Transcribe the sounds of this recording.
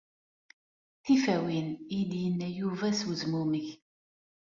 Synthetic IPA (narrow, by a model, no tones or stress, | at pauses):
θifæwiniliənːæjuvæswzmuməç